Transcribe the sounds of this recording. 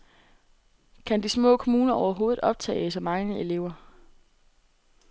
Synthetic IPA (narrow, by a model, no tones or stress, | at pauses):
kʰænd̥ismɔ̰ːkʰomuːnɐɒʊɐɦo̝ːð̩ˠɒ̽b̥̚t͡sʰɛ̰ːɪsɑɪmɑ̈ŋəe̝le̝ʊɐ